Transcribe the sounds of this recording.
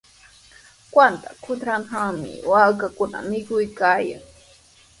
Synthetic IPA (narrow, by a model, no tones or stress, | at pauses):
kwant̪akʰʊt̪ɾanhaŋmɪ̰wakakʊna̰mɪkʊjkaːja̰ŋ